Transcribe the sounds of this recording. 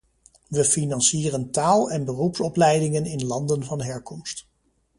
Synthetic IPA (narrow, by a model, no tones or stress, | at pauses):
ʋəfinɑnsiːrəntaːlˠɛnbərupsɔplɛjdɪŋənɪnlɑndənvɑnɦɛɹkɔmst